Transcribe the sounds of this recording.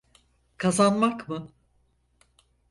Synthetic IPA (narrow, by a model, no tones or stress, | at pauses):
kʰazanmakmɯ